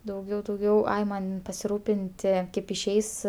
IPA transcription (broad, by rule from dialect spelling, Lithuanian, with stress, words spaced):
dɐʊˈɡʲɛʊ dɐʊˈɡʲɛʊ ˈɐɪ ˈmɐnʲ pɐsʲɪˈruːpʲɪnʲtʲɪ ˈkɐɪp ɪʃʲˈɛɪs